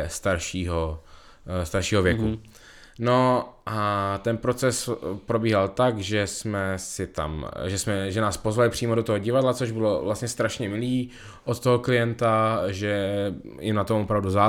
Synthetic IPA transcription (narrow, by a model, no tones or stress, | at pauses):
st̪aɾʃiːɦo | st̪aɾʃiːɦovjɛku | noʔat̪ɛnpɾo̞t͡sɛspɾo̞biːɦalt̪aɡʒɛsmɛsɪt̪a̰mʒɛsmɛʒɛnaːspo̞zvalɪpr̝̥iːmodo̞t̪oɦoɟɪvadlat͡soʒbɪlo̞vlast̪ɲɛst̪ɾaʃɲɛmɪliː | ʔot̪t̪oɦoklɪjɛnt̪aʒɛjɪ̰mnat̪omʔopɾavduzaː